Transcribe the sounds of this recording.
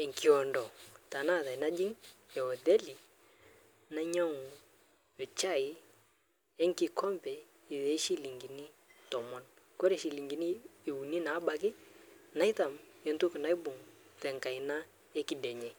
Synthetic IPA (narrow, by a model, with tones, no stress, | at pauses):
ɛ˨ŋki˨ɔ˨ndɔ˨ta˨na˦˨ta˨i˨na˦d͡ʒɪ˦ŋɛ˨ɔ˨ðɛ˦li˨ | na˦ɲa˦ŋ˨ | jɔ˨t͡ʃa˦˨ɪ˦ | ɛ˦ŋki˨kʰɔ˦mpɛ˨ | ɪ˨ðe˨˦ʃi˦li˨ŋɡi˨ni˦ | tɔ˨mɔ˦n | kɔ˦ɾe˨ʃi˨li˨ŋɡi˨niː˦˨wu˨ni˦na˨˦ba˨kɪ˦na˨˦ɪ˦ta˨mɛ˨ntu˦kna˦i˦bʊ˨ŋtɛ˨ŋka˨i˨na˦ | ɛ˦kɪ˨dɛ˨ɲɛ˨